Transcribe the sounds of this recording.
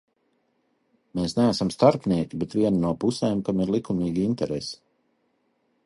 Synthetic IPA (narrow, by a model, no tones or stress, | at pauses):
meːsnææsamst̪aɾpniɛkʲibɛt̪vʲiɛnanuɔpusɛːmkamiɾlˠikumiːɡʲiint̪ɛɾesi̥